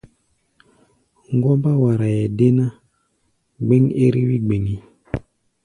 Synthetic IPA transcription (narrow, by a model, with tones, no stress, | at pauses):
ŋ˦ɡwɔ˦mba˦wa˨ɾa˨jɛ˨de˦na˦ | ɡ͡be˦ŋḛ˦ɾi˦wi˦ɡ͡be˨ŋi˦